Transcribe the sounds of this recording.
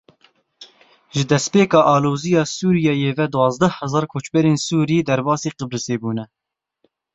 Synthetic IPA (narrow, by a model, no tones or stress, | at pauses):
ʒɨd̪ɛspeːkɑːʔɑːloːzijɑːsuːɾijɛjeːvɛd̪uwɑːzd̪ɛhɛzɑːɾkʰoːt͡ʃbɛɾeːnsuːɾid̪ɛɾbɑːsiːqəbɾɨseːbuːnɛ